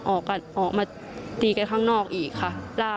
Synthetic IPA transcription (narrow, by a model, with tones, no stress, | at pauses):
ʔɔː˨˩k̚ka˧˩nʔɔː˨˩k̚maː˧ | t̪iː˧˩ka˧nkʰaː˥˩ŋnɔː˥˩k̚ʔiː˨˩kʰːa˧˥˩laː˥˩